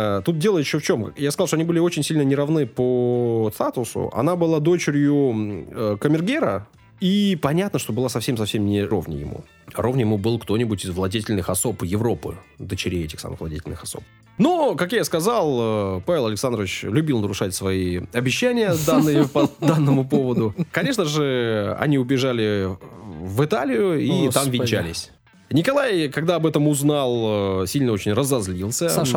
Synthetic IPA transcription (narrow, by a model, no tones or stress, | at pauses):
t̪ut̪̚dʲe̞lˠəjɪɕːoft͡ɕo̞mkjaskɐzlˠʂt̪oɐnibɨlʲɪot͡ɕɪnʲsʲilʲnənʲɪɾɐvnɨpəst̪at̪ʊsʊ̰ʔɐ̰nabɨlˠad̪o̞t͡ɕɪɾʲjʊəkəmʲɪrɡʲeɾə | ipɐnʲat̪nəʂt̪o̞bɨlˠasɐfsʲemsɐfsʲemnʲɪɾo̞vnʲɪ̰jɪ̰mṵ | ɾovnʲəjɪmubɨlˠkt̪o̞nʲɪbʊtʲɪzvlˠɐdʲetʲɪlʲnɨxɐso̞pjɪvɾo̞pɨ̰d̪ət͡ɕɪɾʲejɛtʲɪxsa̰mɨ̰xvlˠɐdʲetʲɪlʲnɨxɐso̞̰p̚ | nokakjaskɐzalˠəpavʲɪlˠɐlɪksand̪ɾəvʲɪt͡ɕlʲʊbʲilˠnəɾʊʂatʲsvɐiɐbʲɪɕːænʲɪjəd̪anːɨjəpɐd̪anːəmʊpo̞vəd̪ʊkɐnʲe̞ʂnəʐɨɐ̰nʲiʊbʲɪʐalʲɪ | vɨt̪alʲɪjʊiamvʲɪnʲt͡ɕælʲɪsʲ | nʲɪkɐlˠajkɐɡd̪aɐbɛt̪əmʊznalˠəsʲilʲnəo̞t͡ɕɪnʲrəzɐzlʲilˠsʲə